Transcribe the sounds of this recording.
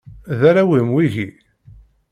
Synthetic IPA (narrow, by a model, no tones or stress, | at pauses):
ðæɾæwimwiʝi